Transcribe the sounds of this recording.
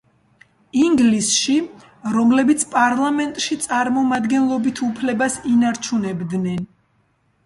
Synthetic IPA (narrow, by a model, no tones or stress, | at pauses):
iŋɡlisʃi | ɾɔmlɛbit̪sʰpʼaɾlˠamɛnt̪ʼʃit̪sʼaɾmɔmad̪ɡɛnlˠɔbit̪ʰupʰlɛbasinaɾt͡ʃʰunɛbd̪nɛn